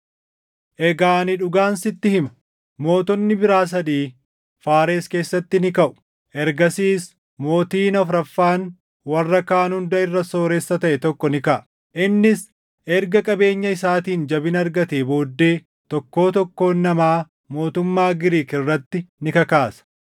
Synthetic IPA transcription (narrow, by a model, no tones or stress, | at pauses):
ʔɛɡaːnɪᶑʊɡaːnsɪt̪ːɪhɪmɐ̥ | mo̞ːt̪ɔnːɪbɪɾaːs̬ɐd̪iː | faːɾe̞ːske̞ːsːɐt̪ːɪnɪkɐʔʊ̥ | ʔɛɾɡɐsiːs | mo̞ːt̪iːnɐfɾɐfːaːn | wɐrːɐkaːnhʊnd̪ɐɪrːɐso̞ːɾɛsːɐt̪ɐʔɛt̪ɔkːɔnɪkɐʔɐ | ʔɪnːɪs | ʔɛɾɡɐkʼɐbe̞ːɲːɐɪsaːt̪iːnd͡ʒɐbɪnɐɾɡɐt̪eːbo̞ːd̪ːe̞ː | t̪ɔkːo̞ːt̪ɔkːo̞ːnːɐmaː | mo̞ːt̪ʊmːaːɡɪɾiːkɪrːɐt̪ːɪnɪkɐkaːsɐ̥